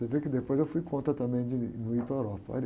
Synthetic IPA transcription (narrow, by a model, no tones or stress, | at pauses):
evekɪd̪epojzewfujkʰõnt̪ɾɐt̪ɐ̃mbẽj̃d͡ʒɪnuipɾɐewɾɔpɐɔ̰l